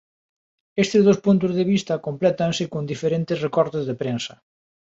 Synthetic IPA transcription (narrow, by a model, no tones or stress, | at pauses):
est̪ɪzðowspunt̪ʊzðeβ̞ist̪ɐkomplɛt̪ansɪkõnd̪ifeɾent̪ɪsrekɔɾt̪ɪzðepɾensɐ